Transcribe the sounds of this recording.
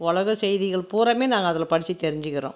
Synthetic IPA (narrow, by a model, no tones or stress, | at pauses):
ʊɭɐɣɐsɛjðɪɣɐɭpuːɾɐmeːnaːŋɡɐːðɪlpɐɽɪt͡ʃːit̪ːɛɾɪɲd͡ʒɯkɪɾõ̰ː